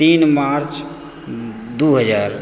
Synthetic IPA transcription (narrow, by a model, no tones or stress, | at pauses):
t̪iːnmaɾt͡ʃ | d̪uɦəd͡ʒaːɾ